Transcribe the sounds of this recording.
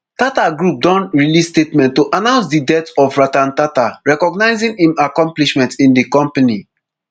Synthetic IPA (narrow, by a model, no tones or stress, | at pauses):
tataɡɹup̚dɔ̃nɹilisstetmɛ̃ntːoʔanãʊ̃ns̬didɛtɔfɹatãntataɹɛkɔɡnaɪzĩŋĩmakɔ̃mpliʃmɛ̃ntĩndikɔ̃mpani